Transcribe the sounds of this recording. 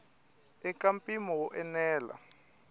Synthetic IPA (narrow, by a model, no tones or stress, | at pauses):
ɛkampʼimɔwɔʔɛnɛːla̰